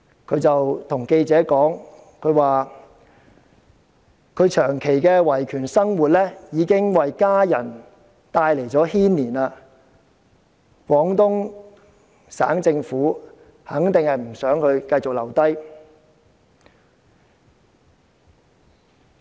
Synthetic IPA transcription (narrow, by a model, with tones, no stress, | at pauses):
kʰɵ˨˧ɥt͡sɐ˨wt̪ʰʊ˨˩ŋke˧jt͡sɛː˨˥kɔː˨˥ŋ | kʰɵ˨˧ɥwaː˨ | kʰɵ˨˧ɥt͡ʃʰœː˨˩ŋkʰe˨˩jkɛː˧wɐ˨˩jkʰyː˨˩nsɐ˥ŋwuː˨˩t̚lɛː˥jiː˨˧˥kɪ˥ŋwɐ˨jkaː˥jɐ˨˩n | t̪aː˧jle˨˩jt͡sɔː˨˥hiː˥nliː˨˩naː˧ | kwɔː˨˥ŋt̪ʊ˥ŋ | sa̰ː˨˥ŋt͡sɪ˧ŋfuː˨˥ | hɐ˨˥ŋt̪ɪ˨ŋhɐ˨jm̩˨˩sœː˨˥ŋkʰɵ˨˧ɥkɐ˧jt͡sʊ˨k̚lɐ˨˩wt̪ɐ˥j